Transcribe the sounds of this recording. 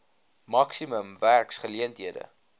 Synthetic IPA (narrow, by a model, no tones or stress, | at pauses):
mɐksiməmværksχəliəntɦiədə̰